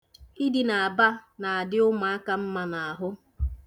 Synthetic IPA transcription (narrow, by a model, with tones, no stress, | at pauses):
i˦di˨na˨a˨ba˦na˨a˨dɪ˦ʊ˦ma˨a˦ka˨m̩˦ma˨na˨a˨ɦʊ˦